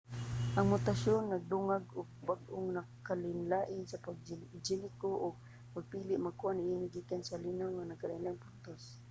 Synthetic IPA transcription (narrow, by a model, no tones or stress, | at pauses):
ʔɐŋmʊt̪aʃonːɐɡ̚d̪ʊŋaɡʔʊɡ̚baɡʔoŋnɐkalɪnlaːʔɪsɐpaɡ̚d͡ʒd͡ʒɪlɪkoʔʊɡ̚ | mɐɡ̚piːlɪʔmaɡ̚kuʔanɪʔinɪɡiːkansalinawŋanɐɡkalajnaŋpʊnt̪os